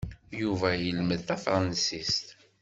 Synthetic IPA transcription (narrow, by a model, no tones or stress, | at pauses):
juvæjəlməðθæfɾˤnsist̪